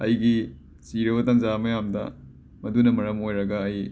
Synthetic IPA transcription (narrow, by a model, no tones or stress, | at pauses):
ɐjɡi | siɾɐbɐtɐnzamɐjamdɐ̰ | mɐdunɐmɐɾɐmojɾɐɡɐːj